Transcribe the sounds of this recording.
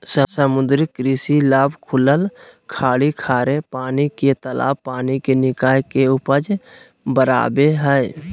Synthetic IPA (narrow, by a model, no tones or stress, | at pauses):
səsəmʊd̪ɾɪkɾiːsilaːbkʰʊləlkʰaːɽikʰaːɾepaːniket̪əla̰ːpaːnikenɪkaːjkeʊpəd͡ʒ | bəɾa̰ːbeɦɛe